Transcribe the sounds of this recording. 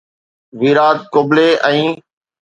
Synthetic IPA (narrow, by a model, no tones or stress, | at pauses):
ʋiːɾaːd̪̚koːbleːʔɛ̃ː